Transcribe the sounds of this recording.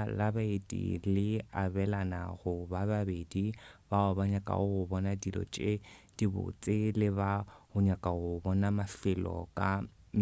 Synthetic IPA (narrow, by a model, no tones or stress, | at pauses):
labaetʼḭlɪabɛlana̰ɣʊbababedibaʊbaɲakʼa̰ʊʊbɔnadilɔ̰t͡ʃʼed̥ibʊ̰t͡sʼɪlɪβahʊɲakʼahʊbɔnamafɪlɔ̰kʼa